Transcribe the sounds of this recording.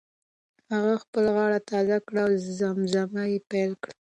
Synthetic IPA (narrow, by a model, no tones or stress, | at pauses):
haɣaxpəlaɣɑɽat̪ɑzakɽawzamzamajepajlkɽa